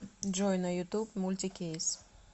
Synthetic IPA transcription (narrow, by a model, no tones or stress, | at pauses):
d͡ʒojnɐjut̪upmulʲt̪ʲikʲejs